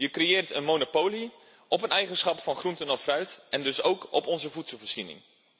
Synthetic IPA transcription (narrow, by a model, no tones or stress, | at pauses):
jəkrejɪːrtənmownopowli | ɔpənɛjχənsχɑpfɑnχruntənɔffrœɥtʔɛndɵsowkɔ̰pɔnzəvutsəlˠvəɹz̥inɪ̰ŋ